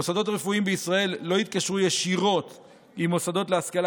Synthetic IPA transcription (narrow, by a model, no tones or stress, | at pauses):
osad̪o̞tʁefuimbeisʁae̞lːo̞it̪̚kaʃʁujeʃiʁo̞t̪ | imosad̪o̞t̪leaskal